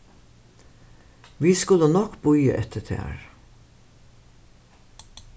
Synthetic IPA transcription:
ʋiːskʉlːənɔkb̥ʊjə̰ʔɛt̪ʰət̪ʰæ̰ːɹ

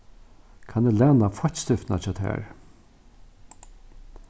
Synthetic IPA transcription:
kʰanɛlɛːnafɔt̪st̪ɪft̪nat͡ʃʰɔːt̪ʰɛ̰ːɹ

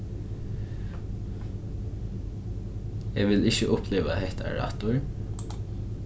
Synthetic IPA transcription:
ɛʋɪlɪçəʔʊpʰleːʋa̰ɦɛht̪ʰa̰ɹa̰t̪ʊɹ

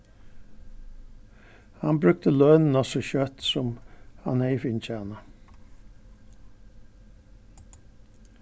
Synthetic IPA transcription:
ha̰nbɾʉk̚t̪əlœːnn̩ɔsɔɕœt̪sɔmha̰nɛɪfɪnc͡çæːna

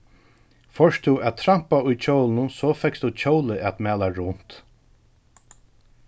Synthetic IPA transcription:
fœʃt̪ʰʊæt̪ʰɾam̥paʊjt͡ʃʰowlnʊnsɔfɛkst̪ʰʊt͡ʃʰowləʔɛt̪mæːlaɹʊn̥t̪

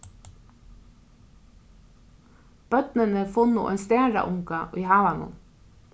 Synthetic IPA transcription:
b̥œt̪nənəfʊnʊ̰ʔɛ̰nst̪æːɹɑ̰ʔʊŋkɑʔiːhɑːʋɑnʊ̰n

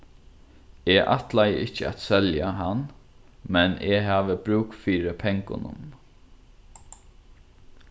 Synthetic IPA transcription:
eːʔa̰t̪lajə̰ʔɪt͡ʃəa̰t̪sɛljaɦanmɛnʔeːɦaːʋəbɾuːkfiːɾəpʰɛŋkʊ̰nʊ̰m

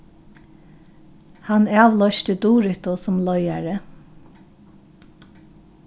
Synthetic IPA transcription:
hanɑːʋlɔʃt̪əd̪uːɾʏht̪ɔsʊmlɔjaɹə

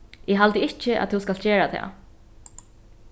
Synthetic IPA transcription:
ɪɦalt̪ɪɪht͡ʃɪʔa̰t̪ʰɛwskalt̪̚d͡ʑɛːɹat̪ʰɛ̰ː

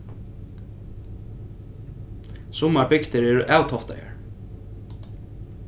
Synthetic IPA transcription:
sʊmaɹbɪkt̪ɪɾɛːɾʔaːwt̪ʰɔft̪a̰ja̰ɹ

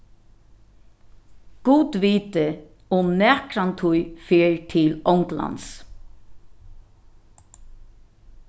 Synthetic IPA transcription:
ɡ̥uːt̪ʋiːt̪ɪ | ʊmnɛːkɾant̪ʰʊjfeːɹt̪ʰɪlɔŋkla̰ns

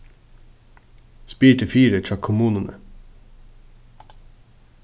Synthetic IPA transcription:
spiːʈəfiːɾətʰɑkʰʊmuːnənə̰

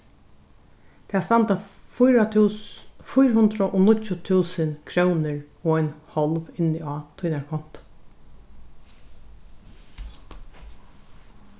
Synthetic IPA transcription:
t̪ʰæːst̪ant̪afʊjɾatʰː | fʊjɾhʊnt̪ɾaʔoːnʊcʊt̪ʰuːsənkʰɾownɪɹoːaɪnhɔlʋɪnɪɑːt̪ʰujnaɹkʰɔn̥t̪

